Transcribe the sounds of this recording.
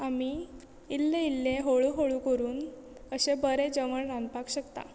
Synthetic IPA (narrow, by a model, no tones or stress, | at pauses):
ami | ilːeilːẽɦoɭuɦoɭukəɾuːn | əɕebəɾed͡ʑəʋəɳɾãnd̪pakɕəkt̪a̰